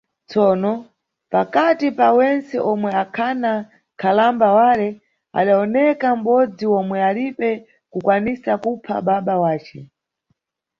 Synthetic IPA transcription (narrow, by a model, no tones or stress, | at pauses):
t͡sɔːnɔ | pakatipawɛnt͡sɛʔɔmwɛakʰana | kʰalambawalɛ | a̰ɗaɔnɛkam̩ɓɔd͡ziwɔmwɛalipɛ | kukwanisakupʰa̰ɓaɓawaːt͡ʃɛ